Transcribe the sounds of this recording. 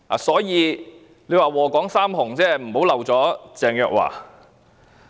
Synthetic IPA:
a̰ː˨˩sɔː˨˥jiː˨˧ | le˨˧waː˨wɔː˨˩kɔː˨˥ŋsaː˥mhʊ˨˩ŋt͡sɛː˥˩m̩˨˩ho˨˥wlɐ˨˩wt͡sɔː˨˥t͡sɛː˨˧ŋjœː˧k̚wa̰ː˨˩

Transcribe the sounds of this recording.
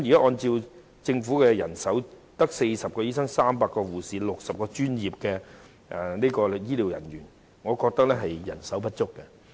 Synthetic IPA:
mji˨kaː˨˥ʔɔː˧nt͡si˧w | t͡sɪ˧ŋfuː˨˥kɛ˧jɐ̰˨˩nsɐ˨˥w | t̪ɐ˥k̚se˧jsɐ˨p̚kɔː˧jiː˥sɐ˥ŋsaː˥mpaː˧kːɔː˧wuː˨˩siː˨˧lʊ˨k̚sɐ˨p̚kɔː˧t͡ʃyː˥njiː˨˩p̚kɛ˧ | ʔɛ˨niː˥kɔː˧jiː˥liː˨˩wjɐ̰˨˩nɥyː˨˩n | ŋɔː˨˧kɔː˧k̚t̪ɐ˥k̚lɛː˥ɦɐ˨jjɐ˨˩nsɐ˨˥wpɐ˥t̚t͡ʃʊ˥kːɛ˧

